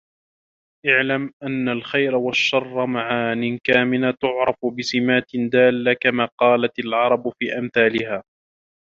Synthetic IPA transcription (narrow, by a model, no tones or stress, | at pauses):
ʔaʕlamʔanːalxajɾawaʃːɑrˤːɑmaʕanɪnkaːmɪnat̪ʊʕɾˤɑfʊbɪsɪmaːt̪ɪnd̪aːlːakamaːqɑːlat̪alʕɑɾˤɑbfiːʔamθaːlɪhaː